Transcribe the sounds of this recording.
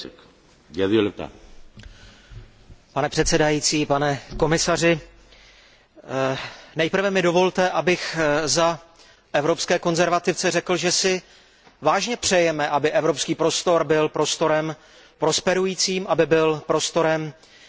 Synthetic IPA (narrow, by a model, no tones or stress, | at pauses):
jaðɪolt̪a̰ | panɛpr̥ɛt̪sɛdajiːt͡siːpanɛko̞mɪsarɪ | nɛjpr̩vɛmɪdo̞vo̞lt̪ɛʔabɪxza | ʔɛvɾo̞pskɛːko̞nzɛɾvat̪ɪft͡sɛrɛkl̩ʒɛsɪ | vaːʒɲɛpr̝̥ɛjɛmɛʔabɪʔɛvɾo̞pskiːpɾo̞st̪o̞ɾbɪlpɾo̞st̪o̞ɾɛm | pɾo̞spɛɾujiːt͡siːmʔabɪbɪlpɾo̞st̪o̞ɾɛm